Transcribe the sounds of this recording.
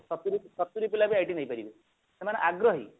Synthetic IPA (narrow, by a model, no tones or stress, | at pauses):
sɔt̪uɾisɔt̪ːuɾipilabiajʈinaijpaɾibi | semaneʔaɡɾɔɦḭ